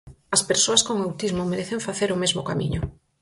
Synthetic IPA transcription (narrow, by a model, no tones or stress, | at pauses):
ɐspeɾsoaskoŋawt̪izmomeɾeθeɱfaθeɾʊmezmʊ̰kamḭɲʊ